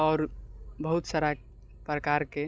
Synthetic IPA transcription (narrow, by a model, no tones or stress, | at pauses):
ɔːɾbəɦut̪saɾa | pɾəkaɾke